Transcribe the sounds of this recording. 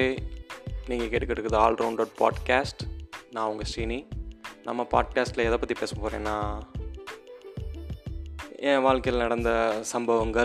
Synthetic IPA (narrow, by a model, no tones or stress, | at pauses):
niːŋɡɐkeːʈːɯkːɐɽɾɯkːɾɐðɯaːlɾʔɐʊɳɖoːɖ̚pa̰ːɖkaːsʈnãːɐʋʊŋɡɐsininɐ̰mːɐpa̰ːɖ̚kaːsʈlɐɛðɐpːɐt̪ːipeːsɐpoːɾẽːnːãː | ẽːʋaːɭkɐjlnɐɽɐnd̪ɐsɐmbɐʋɐŋɡɐ